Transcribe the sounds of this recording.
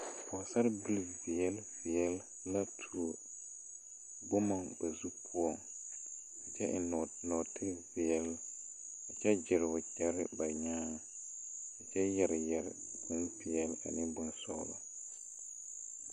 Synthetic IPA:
ɔ˨sa˦ɾbi˦lvɪ˨ɛ˦lvɪ˨ɛ˦lː | a˦tʰu˨o˨ | bʊ˦ma˨ŋba˨zu˦pʰʊ˦ɔ˦˨ŋ | ɪ˨t͡ʃɛ˦ʔɪ̰˨nɔ˨tʰɪ˦vɪ˨ɛ˦l | ɪ˨t͡ʃɛ˦d͡ʒɪ˨ɾʊ˨t͡ʃɛ˦ɾɪ˦ba˨ɲaː˦ | ɛ˨t͡ʃɛ˦jɛ˨ɾjɛ˨ɾ̰ | bʊ˦npɪ˨ɛ˦la̰˨nɪ˦bʊ˦nsɔ̰ː˦lɔ̰˨

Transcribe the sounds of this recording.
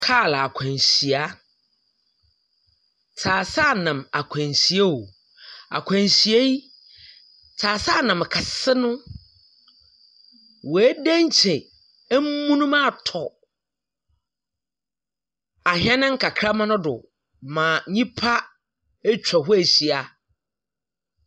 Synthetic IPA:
kʰaː˦˨la˨a˨kʷʰã˨nsi˨a˦ | t͡sʰaː˨sa˦˨nã˨ma˨kʷʰã˨nsi˨e˦wo˨ | a̰˨kʷʰã˨nsi˨e˦ji˦ | t͡sʰaː˨sa˦˨nã˨m˨kʰa˨sɪ˦nʊ̃˦ | wɔ˨æ˦dæ̃˦ɲ˦t͡ɕʰɪ˨˦ | m̩˦mũ˦nʊ̃˦mã˦˨tʰɔ˨ | a˨ɦɛ̃˦nɪ̃˦ŋ̩˦kʰa˨kʰɾa˦mã˦nʊ̃˦dʊ̰˨ | mã˨ɲĩ˦pʰa˦ | e˦t͡ɕᶣa˨ɦʊ˦æ˨ɕi˨a˨

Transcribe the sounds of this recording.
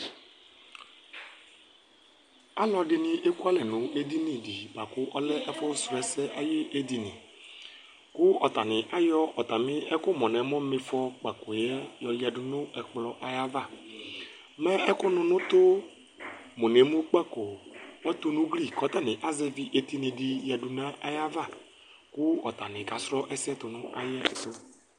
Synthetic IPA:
a˦lɔ˨ɖɪ˨nɪ̃˦ʔe˦ku˦a˦lɛ˨nʊ̃˨e˦d̪i˦nĩ˨dɪ˨ba˨kʊ˦ʔɔ˦lɛ˦ʔɛ˦fɔ˦sʊ˨ɛ˨sɛ˦ʔa˦je˦ʔe˦d̪i˨nɪ̰̃˨ | kʊ˦ɔ˨t̪a˨nɪ̃˨ʔa˦jɔ˦ʔɔ˨t̪a˨mɪ̃˦ɛ˦kʊ˦mɔ̃˨nɛ̃˨mɔ̃˦me˨fɔ˦k͡pa˨ko˨jɛ˦jɔ˨ja˨dʊ˨nʊ̃˦ɛ˨k͡plɔ˨ʔa˨ja˦va˦˨ | mɛ̃˦ɛ˦kʊ˦nʊ̃˨nʊ̃˦t̪ʊ˦ | mo˨ne˨˦mũ˦k͡pɛ˦ko˨mɛ˦t̪ʊ˦nũ˦ɡli˦kɔ˨˦t̪a˦˨nɪ̃˨ʔa˦zɛ˦vi˨ʔe˨t̪i˦nẽ˨di˨ja˨du˨nã˦ʔa˦ja˦va˦˨ | kʊ˦ɔ˨t̪a˨nɪ̃˨ɡa˨sɾɔ˦ʔɛ˦sɛ˦t̪ʊ˨nʊ̃˦ʔa̰˦jɛ˦ɛ̰˨sʊ˦

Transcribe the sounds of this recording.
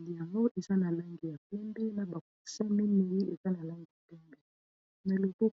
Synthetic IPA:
li˨ja˨ŋɡo˦ʔe˨za˦na˨la˦ŋɡi˨ja˨pɛ˦ndɛ˦na˨ba˨ku˨sa˦mi˦mi˨ji˦e˨za˦na˨la˦ŋɡi˨ja˨tɛ˦nbɛ˦ | na˨le˨ko˦

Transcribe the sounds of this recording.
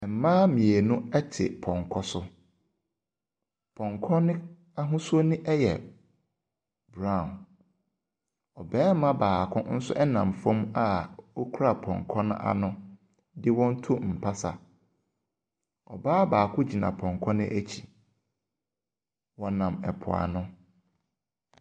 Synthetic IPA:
ɛ˨m̩˨mãː˦mĩ˨e˨nʊ̃˦ɛ˦tʰɪ̰˨pʰɔ̃˨ŋkʰɔ˦sʊ˦ | pʰɔ̃˨ŋkʰɔ̃˦nɪ̃˦ | a˦ɦʊ̃˦su˦o˦nɪ̃˦ʔɛ˦jɛ˨ | bɾã˦˨n | ɔ˨bɛ̃ː˦m˦mã˦baː˨kʰʊ̰̃˦n̩˦sʊ̰˦ʔɛ˦nã˨mfɔ̃˦ma˨wo˦kʰu˦ɾa˦˨pʰɔ̰̃˨ŋkʰɔ̃˦nʊ̰̃˦ʔa̰˦nʊ̃˦ | dɪ˦wɔ̃˦n̩˦tʰu˦m̩˨pʰa˦sa˨ | ɔ˨baː˦baː˨kʰʊ˦d͡ʑi˨nã̰˨pʰɔ̃˨ŋkʰɔ̃˦nɪ̃˦ʔæ˦t͡ɕʰi˨ | wɔ˨nã˨mɛ˨pʰʊ̰˨a̰˨nʊ̃˦

